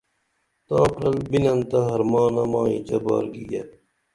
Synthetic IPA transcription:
t̪ɑːkɾɐlbinɐnt̪ɐɦɐɾmɑːnɐmɑːḭt͡ɕɐbɑ̰ːɾɡijɐ

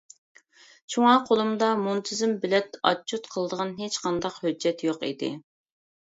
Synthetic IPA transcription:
t͡ʃʰuŋɑqʰolˠɨmd̪ɑmunt̪ʰɪzɪmbɪlɛt̪ɑ̰t͡ʃʰːut̪qʰəlˠəd̪əʁɑnɦet͡ʃqʰɑnd̪ɑqhød͡ʒːɛt̪joqḭd̪ɪ̰

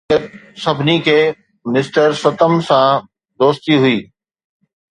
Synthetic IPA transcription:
ət̪̚sɐbʱnikʰeː | mɪsʈəɾsɐt̪əmsã | d̪oːst̪iɦʊiː

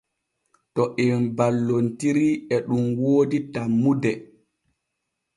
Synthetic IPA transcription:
tɔʔɛnbalːontiɾiɛɗumwoːditamːudɛ

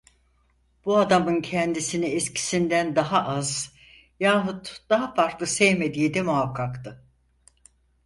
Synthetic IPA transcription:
b̥uad̪amɯncʰɛnd̪isiniɛscʰi̥sind̪ænd̪aɦaʔaz | jaːɦut̪d̪̥aɦafaɾklˠɯsɛjme̞d̪iːd̪ɛmuɦakʰːakt̪ʰɯ

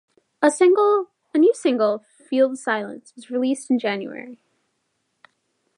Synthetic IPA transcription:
əsɪ̃ŋɡl̩ˠ | ənjʉsɪ̃ŋɡl̩ˠ | filˠd̥saɪlˠə̰̃nswʌzɹilistn̩d͡ʒæ̃njʉ̰ɛ̰ɹi

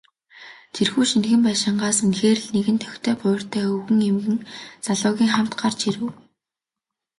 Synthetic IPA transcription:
t̪ʰirxuːʃinxɘ̆mpæːʃɪ̆ɴɢaːsunxeːrɘ̆ɮneɣɘ̆nt̪ʰœ̥xt̪ʰœːpʊːr̥t̪ʰœːɵɣɘ̆ŋemɣɘ̆ŋt͡saɮʊːɣʲiːŋχam̥t̪ɢart͡ɕiɾɘ̆w

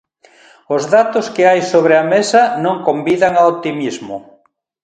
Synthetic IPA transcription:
ʊzðat̪ʊskɪajsoβɾɪɐmesɐnõŋkombiðaŋaot̪imizmʊ

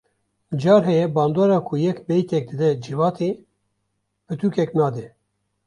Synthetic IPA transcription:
d͡ʒɑːɾɦɛjɛbɑːnd̪oːɾɑːkʰujɛkbɛjt̪ɛk̚d̪ɨd̪ɛd͡ʒivɑːt̪ʰi | bɨt̪ʰukɛknɑːd̪ɛ

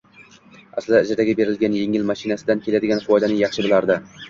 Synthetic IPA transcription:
aslɪd̪aɪd͡ʒɪɾd̪aɡʲɪbe̞ɾɪlɡʲanjeŋɪlmaʃɪnasɪd̪ankʲʰelad̪ɪɡʲanfɒjd̪anɪŋjɑχʃɪbɪlˠaɾd̪ɪ

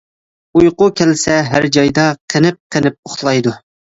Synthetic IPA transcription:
ujqʊkʲʰɛlsɛɦæ̰ɾd͡ʒɑjd̪ɑqʰənɪp̚qʰənɪp̚oχlˠɑjd̪u

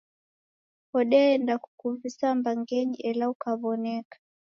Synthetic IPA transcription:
hɔɗɛɛndaku̥kuvisambaŋɡɛɲiʔɛlaukaβɔnɛkḁ

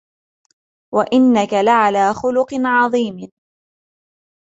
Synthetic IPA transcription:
waʔɪnːakalaʕalaːxʊlʊqnʕɑðˤiːm

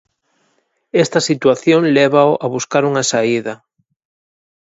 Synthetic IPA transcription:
ɛst̪ɐsit̪waθjoŋleβ̞aoʔaβuskaɾuŋasaiðɐ

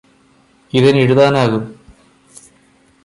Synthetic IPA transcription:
iðɐniɻuðaːnaːɣum

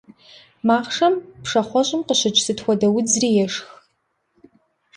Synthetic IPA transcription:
maːχʂɐmpʂɐχʷɔɕʼɪmqəɕɨt͡ʃʼsɨtxʷɔdɐwʊd͡zriːjɛʂx

